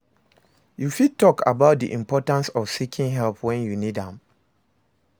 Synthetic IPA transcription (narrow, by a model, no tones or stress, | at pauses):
jufid̚tɔkʰa̰baʊt̚dḭʔĩmpɔtãnsɔv̥sikʰĩŋɦɛlpʰwɛ̃njunidãm